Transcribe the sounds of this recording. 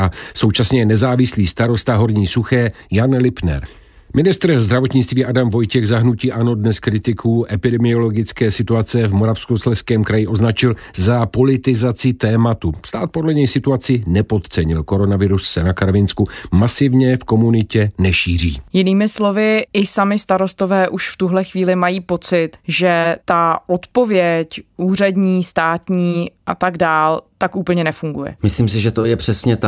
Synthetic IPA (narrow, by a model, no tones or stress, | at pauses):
aso̞wt͡ʃasɲɛnɛzaːvɪsliːst̪aɾo̞st̪aɦo̞ɾɲiːsuxɛːjanlɪpnɛ̰ɾ | mɪnɪst̪ɾzd̪ɾavo̞t̪ɲɪt͡st̪viːʔadamvo̞jcɛɣzaɦnuciːʔano̞dnɛskɾɪt̪ɪkʰuːʔɛpɪdɛmɪo̞lo̞ɡɪt͡skɛːsɪt̪uat͡sɛvmoɾafskuslɛskɛːmkɾajɪʔo̞znat͡ʃɪlzapo̞lɪt̪ɪzat͡sɪt̪ɛːmat̪ust̪aːt̪̚po̞dlɛɲɛjsɪt̪uat͡sɪnɛpo̞t̪t͡sɛɲɪlko̞ɾo̞navɪɾusːɛnakaɾvɪnskumasɪvɲɛfko̞munɪcɛnɛʃiːr̝ḭːjɪniːmɪslo̞vɪɪsamɪst̪aɾo̞st̪o̞vɛːʔuʃft̪uɦlɛxviːlɪmajiːpo̞t͡sɪt̪ʒɛt̪aʔo̞t̪po̞vjɛcʔuːrɛdɲiːst̪aːt̪ɲiːʔat̪aɡdaːlt̪akʔuːpl̩ɲɛnɛfuŋɡujɛ̰mɪsliːms̬ɪʒɛt̪ojɛpr̥ɛsɲɛt̪a